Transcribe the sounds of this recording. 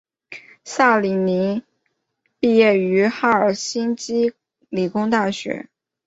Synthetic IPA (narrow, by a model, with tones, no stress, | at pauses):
sa˥˩li˨˩ni˧˥ | pi˥˧jɛ˥˩y˧˥xa˥ə˞˨˩ɕi˥nt͡ɕi˥ | li˨˩kʊ˥ŋt̪a˥˩ɕɥɛ̰˧˥˦